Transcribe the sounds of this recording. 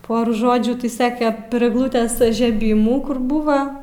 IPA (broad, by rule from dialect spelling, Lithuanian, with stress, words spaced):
ˈpoːr ˈʒoːd͡ʒʲuː tʲɪ ˈsɑːkʲɛ pʲɛr ɛɡˈlˠʊtʲɛs iːʒʲɛˈbʲiːmuː kʊr ˈbuːʋɐ